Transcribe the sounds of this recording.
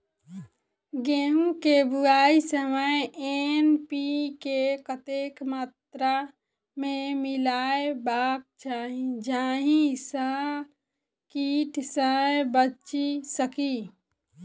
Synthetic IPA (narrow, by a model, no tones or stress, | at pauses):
ɡeːɦũkebuaːisəməeenpikekət̪eːkmaːt̪ɾa | mẽmɪlaːebaːk̚t͡ʃaːɦĩd͡ʒaːɦĩsa | kiːʈsəebət͡ʃisəki